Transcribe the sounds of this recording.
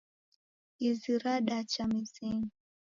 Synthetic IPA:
iziɾaɗat͡ʃamiziŋi

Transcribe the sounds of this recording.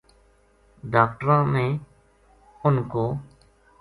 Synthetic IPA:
ɖaːk̚ʈɾãːmẽː | ʊnkoː

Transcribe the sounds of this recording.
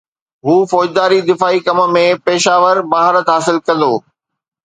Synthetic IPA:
ɦuːfɔːd͡ʑd̪aːɾid̪ɪfaːikɐmə̆mẽpeːʃaːʋəɾbaːɦɪɾət̪ɦaːsɪlkɐ̃n̆d̪oː

